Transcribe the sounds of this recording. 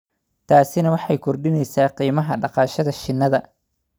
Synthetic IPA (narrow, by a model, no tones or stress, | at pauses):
t̪ʰaːsɪnɐwɑħɑjkʰɔrɖɪnɛjsaːqiːmɐɦɐɖɑqɑːʃɐðɐʃɪnːɐðɐ